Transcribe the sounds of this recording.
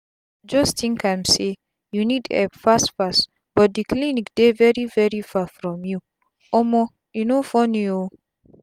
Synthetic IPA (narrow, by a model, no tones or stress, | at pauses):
d͡ʒɔstĩŋkãjmse | junidɛ̰fastfas | bɔt̚diklinikdevɛɹivɛɹifafɾɔ̃mju | ɔmɔ | junofɔnio